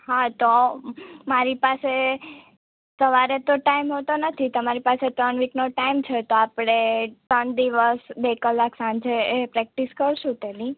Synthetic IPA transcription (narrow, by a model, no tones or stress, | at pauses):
ɦãt̪o | maɾipase | səʋaɾet̪oʈaimɦot̪onət̪ʰit̪əmaɾipaset̪əɳʋiknoʈaimt͡ʃʰet̪oapɽ̃eʈənd̪iʋəsbekəlaksãnd͡ʒeepɾɛk̚ʈiskəɾʃũt̪eni